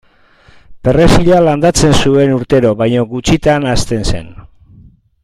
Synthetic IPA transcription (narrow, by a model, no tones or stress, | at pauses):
pe̞re̞siʎaland̪at͡se̞nsue̞nuɾt̪e̞ɾo̞βajɲo̞ɡut͡ʃit̪anast̪e̞nse̞̰n